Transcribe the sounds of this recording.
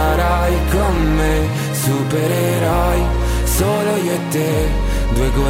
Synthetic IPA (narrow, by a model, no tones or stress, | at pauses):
aɾajkomːe | supeɾeɾaj | solojet̪ːe | d̪weɡo